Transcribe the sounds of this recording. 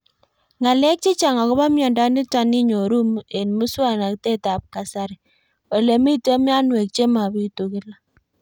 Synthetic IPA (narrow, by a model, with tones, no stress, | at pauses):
ŋa˨lɛ˦k̚t͡ʃi˦t͡ʃa˨ŋa˨kɔ˦ba˦mjɔ˨nda˦ni˦ta˨ni˦ɲo˨ɾu˦me˨nmu˦swa˦na˨kte˦ta˨p̚ka˨sa˨ɾi˨ | wa˨le˨mi˦to˦mi˦a˦nwe˨k̚t͡ʃe˦ma˨bi˦tu˨kɪ˦la˦